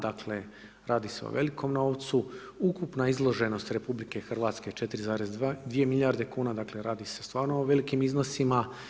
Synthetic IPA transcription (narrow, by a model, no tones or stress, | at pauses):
d̪akʰle̞ | ɾʔaːd̪iseo̰ʋe̞likʰo̞mno̞ːʋt̪su | ukupnaizlˠo̞ʒe̞no̞st̪ɾe̞publike̞xr̩ʋat̪ske̞t͡ʃe̞t̪iɾizaːɾezd̪ʋie̞milʲjaɾd̪e̞kuːnad̪akle̞ɾaːd̪ise̞st̪ʋaːɾnooʋe̞likimizno̞sima